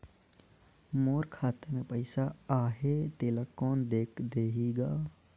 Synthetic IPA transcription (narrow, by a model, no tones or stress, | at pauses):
moːɾkʰaːt̪əmẽpəɪsaaːɦet̪eːlakɔːnd̪eːkʰd̪eːɦiːɡaː